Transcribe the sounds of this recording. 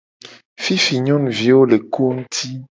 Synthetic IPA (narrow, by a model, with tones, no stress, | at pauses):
fi˦fi˨ɲɔ̃˦nvi˨˦wo˦le˨ko˦ŋ̩˦t̪ʰi˦